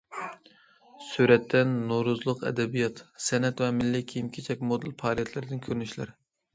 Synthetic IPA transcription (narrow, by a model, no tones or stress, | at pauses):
syɾɛt̪ʰːɛnːoɾuzlˠʊqɛ̰d̪ɛbijɑt̪sɛnɛt̪vɛmɪlːɪkʲʰijimkʲʰet͡ʃʰɛk̚ʲmod̪ɨlpʰɑːɾijɛt̪ʰlɪɾɪd̪ɪnkʲʰøɾnyʃlɪ̰ɾ